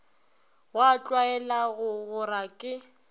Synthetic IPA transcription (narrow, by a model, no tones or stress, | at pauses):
wat͡ɬʼwaɛlaɣʊɣʊrakʼɪ